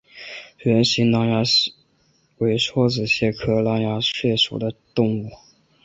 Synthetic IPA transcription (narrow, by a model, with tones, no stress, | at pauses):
ɥɛ˧˥nɕi˧˥ŋnɑ˧˥ŋja˧˥ | we˧˥ɪʂʰwɔ˥t͡sɹ̩˨˩ɕjɛ˥˩kʰɤ˥lɑ˧˥ŋja˧˥ɕɥɛ˥˩ʂṵ˨˩d̪ə˦t̪ʊ˥˧ŋu˥˩